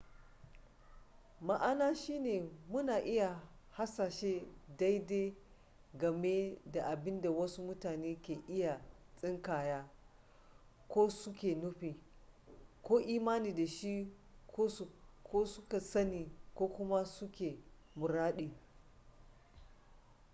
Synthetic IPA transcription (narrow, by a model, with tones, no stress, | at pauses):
ma˦ʔa˦naː˦ʃiː˦neː˨mʊ˦naː˨ʔɪ˦ja˨ | ha˦saː˨ʃeː˦da˦jde˦ | ɡɐ˨me˦da˨ʔa˨bɪ˦nda˨wɐ˦su˦mʊ˦taː˨neː˦kʲeː˨ʔɪ˦ja˨ | t͡sʼɪ˦ŋkaː˨jaː˦ | kʷoː˦sʊ˦kʲeː˨nʊ˦ɸiː˨ | kʷoː˦ʔiː˦maː˦niː˨da˨ʃi˦ | kʰoː˦˨kʰoː˦sʊ˦ka˨sɐ˦niː˨kʷoː˦kʷʊ˦ma˦sʊ˦kʲeː˨ | mʊ˨ɾaː˦ɗiː˨